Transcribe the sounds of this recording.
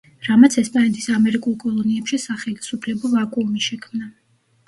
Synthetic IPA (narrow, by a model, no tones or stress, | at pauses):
ɾamat̪sʰɛspʼanɛt̪ʰʼi̥samɛɾikʼulˠkʼɔlˠɔniɛpʃisaχɛlisupʰlɛbɔvakʼumiʃɛkʰmna